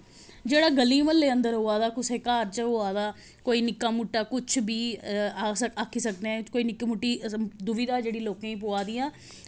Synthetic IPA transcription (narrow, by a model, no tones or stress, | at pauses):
d͡ʒeːɽaːɡəliːməlːeːə̃nd̪əɾɦoːaːd̪aːkʊseːkaːɾt͡ʃəɦoːaːd̪aː | koːiːnɪkːaːmuʈːaːkʊt͡ʃʰbiːaːsəaːkʰiːsəkd̪eɛ̃ːkoːiːnɪkːimuʈːiːd̪ʊʋiːd̪aːd͡ʒeːɽiːloːkãːĩːpoaːd̪iːãː